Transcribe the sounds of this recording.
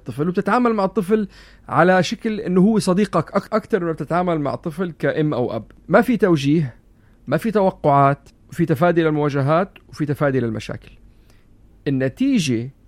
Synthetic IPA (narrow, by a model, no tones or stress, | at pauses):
t̪ˤːɨflwb̚t̪ɪt̪ʕaːmalmaʕɨt̪ˤːɨfl | ʕalaʃaklʔɪnːʊhʊwːesˤɑd̪iːqɑkʔakʔakt̪ɑɾˤʔɪnab̚t̪ɪt̪ʕaːmalma̰ʕt̪ˤːɨflkaʔɪmːʔa̰wʔa̰bmafit̪awʒiːɦ | mafit̪awɑqːʊʕaːt̪wfit̪afaːd̪iʔlalmʊwaːʒaɦaːt̪wfit̪afaːd̪iʔlalma̰ʃa̰ːkɪ̥l | ʔɪnːat̪iːʒe